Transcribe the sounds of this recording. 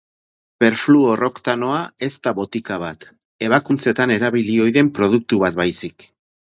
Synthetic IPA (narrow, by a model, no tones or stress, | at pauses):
pe̞ɾfluoro̞kt̪ano̞ae̞st̪aβo̞t̪ikaβ̞at̪ | e̞βakunt͡se̞t̪ane̞ɾaβ̞ilio̞jðe̞mpɾo̞ð̞uk̚t̪uβat̪̚bajsik